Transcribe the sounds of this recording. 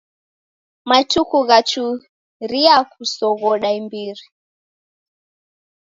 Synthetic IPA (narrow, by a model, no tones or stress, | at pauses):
matukuɣat͡ʃu | ɾiakusɔɣɔɗaimbiɾi